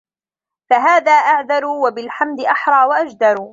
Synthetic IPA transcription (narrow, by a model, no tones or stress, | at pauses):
faɦaːðaːʔaʕðɑɾˤuːwabɪlħamd̪ɪʔaħɾˤɑːwaʔad͡ʒd̪ɑɾˤuː